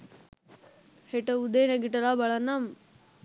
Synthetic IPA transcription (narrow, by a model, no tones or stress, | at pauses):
heʈəud̪eːneɡiʈɐlaːbɐɭanːam